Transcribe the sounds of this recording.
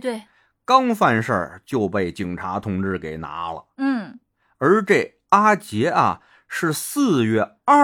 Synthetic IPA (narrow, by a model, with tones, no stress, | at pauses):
t̪we˥˩ | kɑ˥ŋfa˥˧nʂə̰˞˥˧t͡ɕjo˥˧ʊpe˥˩ɪt͡ɕi˨˩ŋʈ͡ʂʰa˧˥t̪ʰʊ˧˥ŋʈ͡ʂɻ̩˥˩ke˨˩ɪna̰˧˥lə̰˧n̩˥˩ | ə˞˧˥ʈ͡ʂe˥˩ɪ | a˥t͡ɕjɛ˧˥ɐ̰˧ | ʂɻ̩˥˧sɹ̩˥˧ɥɛ˥˧ | a˥˩